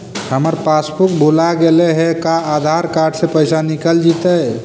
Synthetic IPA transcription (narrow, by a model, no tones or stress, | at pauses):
həməɾpaspuk̚bʱulaɡeleɦɛkaːd̪ʱaɾkaɾɖsẽpəjsanikəld͡ʒit̪əj